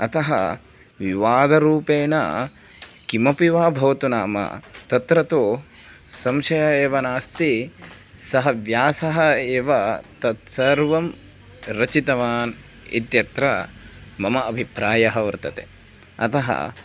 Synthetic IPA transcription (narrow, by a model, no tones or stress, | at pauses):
ɐt̪ɐɦɐ̰ | ʋiʋaːd̪ɐɾuːpeːɳɐ̰ | kimɐpiʋaːbʱɐʋɐt̪unaːmɐ̰t̪ɐt̪ɾɐt̪o | sɐmʃɐjɐeːʋɐnaːst̪i | sɐɦɐʋjaːsɐɦɐeːʋɐt̪ɐt̪sɐɾʋɐm | ɾɐt͡ʃit̪ɐʋaːn | ḭt̪jɐt̪ɾɐmɐmɐɐbʱipɾaːjɐɦɐʋɐɾt̪ɐt̪ḛ | ɐ̰t̪ɐɦɐ̰